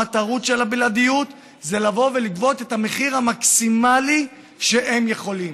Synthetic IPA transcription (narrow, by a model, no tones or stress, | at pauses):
at̪aʁut̪ʃe̞labiladijut̪ | zelavo̞veliɡvo̞t̪ethame̞χiʁamaksimali | ʃe̞ʔemje̞χo̞lim